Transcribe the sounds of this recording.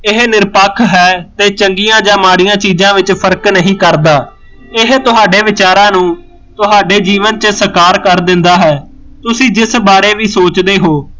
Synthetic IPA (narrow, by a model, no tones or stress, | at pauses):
ɪɦnɪɾpəkʰɦɛːt̪eːt͡ʃəŋɡijãːd͡ʒãːmaːɽijãːt͡ʃiːzãːʋɪt͡ʃpʰəɾknəɦĩːkəɾd̪aː | ɪɦt̪ʊɦaːɖeːʋɪt͡ʃaːɾãːnũː | t̪ʊɦaːɖeːd͡ʒiːʋənt͡ʃəsəkaːɾkəɾd̪ɪ̃nd̪aːɦɛː | t̪ʊsĩːd͡ʒɪsbaːɾeːʋiːsoːt͡ʃd̪eːɦoː